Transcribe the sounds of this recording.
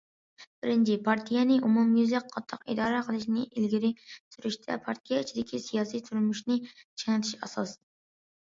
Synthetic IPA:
b̥ɪɾɪnt͡ʃʰipʰɑɾt̪ʰijɛnɪʔumumjyzlɪk̚qʰɑt̪ʰːɑqḭd̪ɑːɾɛqʰəlˠɪʃnɪʔilɡʲɪɾɪsyɾyʃt̪ʰɛ̰pʰɑɾt̪ʰijɛit͡ʃʰid̪ɪkʲʰisijɑːsijt̪ʰuɾmuʃnɪt͡ʃʰeŋɨt̪ʰɪ̥ʃɑ̰sɑs

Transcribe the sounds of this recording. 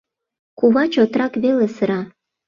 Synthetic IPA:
kuβɑt͡ɕot̪ɾɑkβelesə̆ɾɑ

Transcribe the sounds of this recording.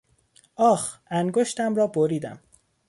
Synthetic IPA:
ɒːxæŋɡoʃt̪æmɾɒːboɾiːd̪æ̰m

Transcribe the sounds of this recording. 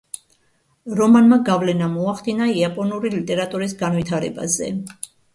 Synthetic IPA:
ɾɔmanmaɡavlɛnamɔaχd̪inaiapʼɔnuɾilit̪ʼɛɾat̪ʼuɾisɡanvit̪ʰaɾɛba̰zɛ̰

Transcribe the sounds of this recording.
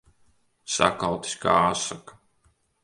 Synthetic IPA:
sa̰kalwt̪i̥sʲka̰ːasakḁ

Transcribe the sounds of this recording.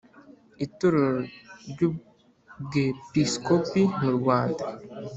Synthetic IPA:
ituɾoɾɾɟu | bɡepiskopimuɾɡwaːnda

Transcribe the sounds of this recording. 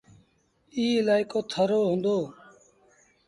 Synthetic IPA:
iːɪlaːɪkoːt̪ʰəɾoːɦʊ̃ːnd̪oː

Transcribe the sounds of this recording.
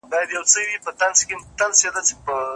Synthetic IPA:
bɑjad̪jawt͡sədipət̪anskemt̪alsed̪at͡se̥pə

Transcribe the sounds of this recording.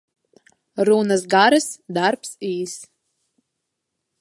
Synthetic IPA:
ɾunɨsɡaɾɨsd̪arpsiːs

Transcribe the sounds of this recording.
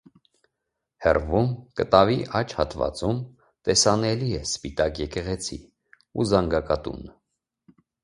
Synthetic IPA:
hɛ̰rvumkət̪ɑviʔɑt͡ʃʰhɑt̪vɑ̰t͡sum | t̪ɛsɑnɛliɛspit̪ɑkjɛkɛʁɛt͡sʰḭ | uzɑŋɡɑkɑt̪ṵn

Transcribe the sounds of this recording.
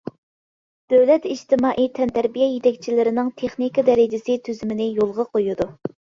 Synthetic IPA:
d̪̥øwlɛt̪iʃt̪ɪmɑːʔit̪ʰɛnt̪ʰæɾbijɛjet̪ɛk̚ʲt͡ʃʰilɪɾɪnɪŋt̪ʰeχnikɑd̪ɛɾɪd͡ʒɪsɪt̪ʰyzymɪnɪjolˠʁɑqʰojud̪u

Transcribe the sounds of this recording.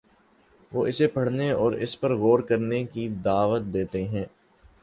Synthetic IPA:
ʋoːɪsepɐɽ̤neɔːɾɪ̰spɐɾɣoːɾkɐɾnekid̪aːʋət̪̚d̪eːt̪eɦɛ̃ː

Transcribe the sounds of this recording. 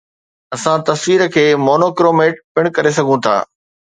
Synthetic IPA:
ɐsãt̪ɐsʋiːɾəkʰeːmoːnoːkɪɾoːmeːʈ̚pɪɽ̃kɐɾesɐɡʱũt̪ʰa̰ː

